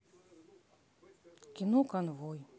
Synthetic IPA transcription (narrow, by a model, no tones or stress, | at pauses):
kʲinɔkanvɔj